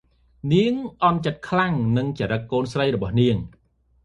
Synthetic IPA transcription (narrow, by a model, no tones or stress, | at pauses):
niəŋʔɑnt͡ɕət̪̚kʰlaŋnɨŋt͡ɕaɾəkːoːnsrəjrɔɓɑhniəŋ